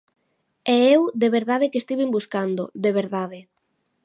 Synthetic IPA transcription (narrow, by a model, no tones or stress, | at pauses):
ɛewd̪eβeɾðaðɪkest̪iβimbuskand̪ʊ̰d̪eβ̞eɾðaðɪ